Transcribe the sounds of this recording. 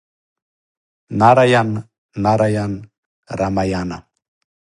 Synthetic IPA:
naɾajanː | aɾajan | ɾamajana̰

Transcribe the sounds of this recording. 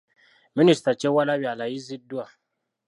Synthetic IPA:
ministat͡ʃewalawialajizidua

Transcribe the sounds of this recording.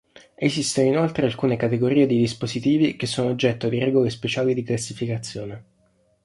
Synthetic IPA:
esist̪onoinolt̪ɾealkuːnekat̪eɡoɾiːed̪id̪ispozit̪iːvikesːoːnoːd͡ʒːɛt̪ːod̪iɾɛɡolespet͡ʃaːlid̪iklasːifikat̪sːjoːne

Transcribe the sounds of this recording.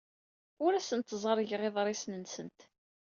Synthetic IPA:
ʊɾæsənt̪ːzˤəɾˤəʝʁeðˤɾˤisnənsənt̪

